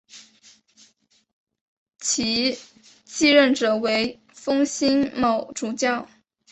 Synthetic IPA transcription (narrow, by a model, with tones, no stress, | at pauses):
t͡ɕʰi˧˥ | t͡ɕi˥˧ɻə˥˩nʈ͡ʂɤ˨˩we˧˥ɪ | fɤ˥ŋɕi˥nmɑ˨˩ʊʈ͡ʂu˧˥t͡ɕjɑ˥˩ʊ